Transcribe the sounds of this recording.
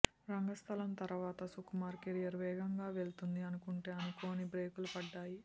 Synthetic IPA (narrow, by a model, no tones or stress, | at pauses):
ɾɐŋɡɐst̪ʰɐlɐmt̪ɐɾʋaːt̪ɐsukumaːɾkeɾijɐɾʋɛːɡɐŋɡaːʋe̞ɭt̪und̪iɐnukuɳʈe̞ːɐnikoːnibɾe̞ːkulupɐɖːaːji